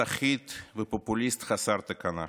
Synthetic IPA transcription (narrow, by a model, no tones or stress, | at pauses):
aχit̪vəpopʊlʲist̪χasaɾt̪ɐkana